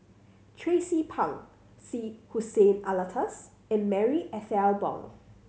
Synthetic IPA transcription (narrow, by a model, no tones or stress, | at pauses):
tʰɹesipʰãŋ | sihusẽnalətʰəs | ɛ̃nmɛɹiʔɛθɛlbɔ̰̃ŋ